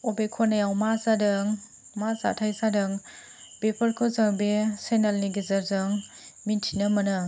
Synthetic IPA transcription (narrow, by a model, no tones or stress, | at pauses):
ɔbekʰɔnajawmazadɯŋ | maza̰tʰajsadɯŋ | bepʰəɾkʰɯzaŋbesenalniɡezɐɾzɯŋ | mintʰinəmɐnɯ